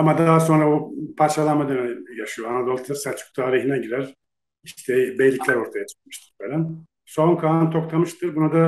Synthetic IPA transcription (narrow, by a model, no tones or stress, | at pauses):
amad̪aɦaso̞nɾabupʰaɾt͡ʃʰalˠanmad̪ønɛjaʃɯjoanad̪o̞lˠt̪ʰasat͡ʃʰu̥k̚t̪ʰaːɾiɦinɛɟiɾæɾ̥ | iʃt̪ʰɛbejlʲːicʰʲlʲæɾo̞ɾt̪ʰajat͡ʃʰɯ̥k̚mɯ̥ʃt̪ʰɯ̥ɾbelæn | so̞nkʰanɯt̪ʰo̞k̚t̪ʰamɯʃt̪ʰɯɾbunad̪a